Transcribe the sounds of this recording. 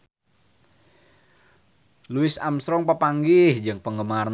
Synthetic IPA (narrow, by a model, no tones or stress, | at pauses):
luɪsa̰msɾɔŋpəpaŋɡɪhd͡ʒɨŋpəŋɡəmarn